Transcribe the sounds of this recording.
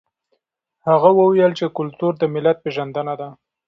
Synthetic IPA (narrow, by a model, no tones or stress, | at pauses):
haɣawəwjəlt͡ʃekʊlt̪uɾd̪əmɪlat̪̚peʒand̪ənad̪a